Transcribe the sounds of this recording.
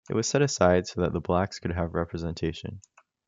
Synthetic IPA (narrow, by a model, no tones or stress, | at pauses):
ɨʔ̚wʌz̥sɛɾɨsaɪd̥soʊðɨt̪̚ðəblækskʰɨd̚ɨvɹɛpʰɹɨzɛ̃ntʰeɪʃɨ̰̃n